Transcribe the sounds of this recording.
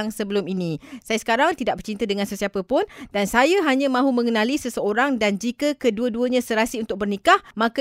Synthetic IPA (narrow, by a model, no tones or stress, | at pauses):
ŋsəbəlʊminĩsajasə̥kaɾaŋt̪idaʔ̚bərt͡ʃint̪adəŋãnsəsiapəpʊndansajaɦaɲãmãɦumə̃ŋənãlisəsəoɾaŋdand͡ʒikəkəduəduəɲãsəɾasiunt̪ʊk̚bərnikahmãkə